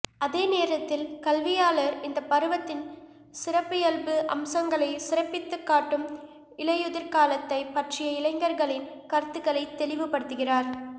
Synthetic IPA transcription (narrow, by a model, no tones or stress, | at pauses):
ɐðeːneːɾɐt̪ːɪlkɐlʋɪjaːlɐɾɪnd̪ɐpːɐɾɯʋɐt̪ːɪn | sɪrɐpːɯjɐlbɯʔɐ̰msɐŋɡɐɭɐɪsɪrɐpːɪt̪ːɯkːaːʈːɯm | ɪɭɐjɯðɪɾkaːlɐt̪ːɐɪpɐʈrɪjɐɪlɐɪŋɡɐɾɣɐɭɪnkɐɾt̪ːɯɣɐɭɐɪt̪ːɛlɪʋɯpːɐɽɯt̪ːɯɣɪraːɾ